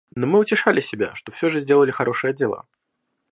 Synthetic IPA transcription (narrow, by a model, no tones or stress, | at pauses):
nomɨʊtʲɪʂalʲʔɪsʲɪbʲa̰ʂt̪ofsʲoʐɨzʲdʲe̞lˠəlʲɪxɐɾʔo̞ʂɨjədʲɪlˠa̰